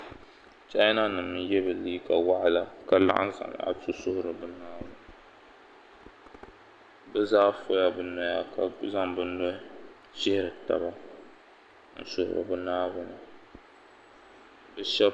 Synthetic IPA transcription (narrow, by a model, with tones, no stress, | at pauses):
t͡ʃa˦na˦nɨ˨mɨ˦jɛ˦bɨ˨liː˦ka˨wa˦ʔa˨la˦ka˨la̰˦ʔa̰˦nza̰˨m̰˨a̰˨tʊ˦sʊ˦hʊ˦ɾɨ˨bɨ˦naː˦wʊ˦n˨ | bɛ˦zaː˦fo˦ja˨bɨ˦nɔ˦ja˦ka˨za˦mbɨ˦nɔ˦ | ʃɪ˦hɪ˦ɾɨ˨ta̰˨ba˦ | n̩˨sʊ˦hʊ̰˨ɾɨ̰˨bɨ˦naː˦wʊ˦nɨ˨ | bɛ˨ʃɛ˦b